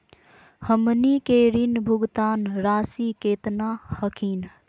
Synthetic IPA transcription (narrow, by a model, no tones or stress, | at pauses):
həmnikeɾinbʱuɡt̪aːnɾaːsikeːt̪nahəkʰin